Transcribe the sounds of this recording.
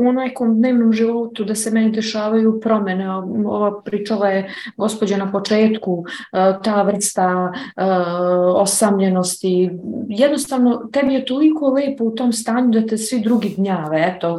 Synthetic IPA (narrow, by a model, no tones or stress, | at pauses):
uonako̞md̪ne̞ːʋnomʒiʋo̞t̪ud̪asemɛnid̪eʃaːʋajupɾo̞meneo̰ʋapɾiːt͡ʂalajeɡo̞spod͡ʑanapo̞t͡ʂeːt̪kut̪aːʋr̩st̪a | osamʎe̞no̞st̪ijɛd̪nost̪aːʋno̞t̪ɛbije̞t̪o̞liko̞leːpout̪o̞ːmst̪aːɲud̪at̪e̞sʋid̪ɾuɡid̪ɲaːʋeɛt̪o̞